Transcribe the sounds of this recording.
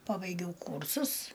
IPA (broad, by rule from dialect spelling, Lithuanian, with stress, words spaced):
ˈpɑːbɐɪɡʲɛʊ ˈkuːrsʊs